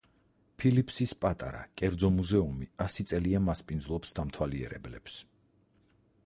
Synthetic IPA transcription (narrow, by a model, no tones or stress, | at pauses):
pʰilipʰsispʼat̪ʼa̰ɾa̰kʼɛɾd̪zɔmuzɛumiasit̪sʼɛliamaspʼind̪zlˠɔpsd̪amt̪ʰwaliɛ̰ɾɛ̰blɛps